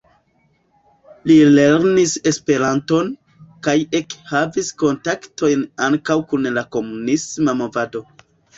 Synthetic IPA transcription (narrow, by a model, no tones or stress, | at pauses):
lile̞ɾnise̞spe̞ɾanto̞n | kaje̞khavisko̞ntaktʰo̞jnaŋkawkunlako̞munismamo̞vado̞